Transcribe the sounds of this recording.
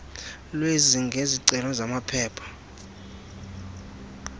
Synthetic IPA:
lweziŋɡʱeziǀɛlɔzamapʰɛːpʰḁ

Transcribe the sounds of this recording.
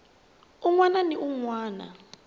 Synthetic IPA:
uŋwananiuŋwaːna̰

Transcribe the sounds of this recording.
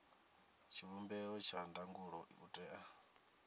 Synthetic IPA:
t͡ʃʰiβumbɛɔt͡ʃʰandaŋɡuɺɔʔutʼɛʔa

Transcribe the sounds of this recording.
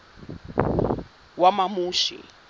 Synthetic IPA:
wamamuːʃḭ

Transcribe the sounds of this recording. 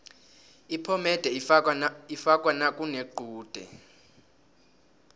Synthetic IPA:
ipʰɔmɛd̥ʱɛ | ifakʼwanakʼuneɡ͡ǃʱuːd̥ʱɛ̰

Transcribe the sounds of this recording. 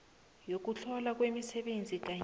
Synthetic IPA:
jok̬ut͡ɬʰɔlak̬wemisɛɓend͡zʱik̬a

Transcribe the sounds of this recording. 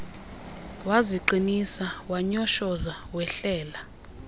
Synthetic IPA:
waziǃinisawaɲɔʃɔzawɛɬɛːla

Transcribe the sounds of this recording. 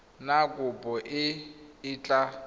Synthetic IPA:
nakʼʊpʼɔʔɪɪːt͡ɬʼa

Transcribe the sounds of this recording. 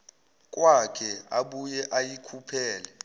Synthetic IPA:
k̬ʼwakʰɛaɓujɛʔajikʰupʰɛːlɛ

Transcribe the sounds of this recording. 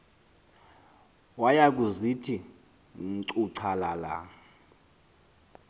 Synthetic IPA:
wajak̬ʼuzitʰi | ŋ̩ǀuǀʰalala̰

